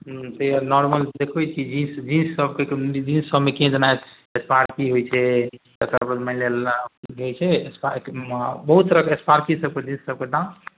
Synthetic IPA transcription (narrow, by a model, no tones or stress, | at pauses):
t̪əjanɔɾməld̪ekʰbɛt͡ʃʰid͡ʒĩsd͡ʒinsːəbked͡ʒinsːəbmekẽd͡ʒənaet̪ | espaɾkiɦojt͡ʃʰɛ | asəɾbəmə̃lelɡejt͡ʃʰɛspa | bəɦut̪əɾəkespaɾkisəb̚ked͡ʒĩnssəb̚ked̪ã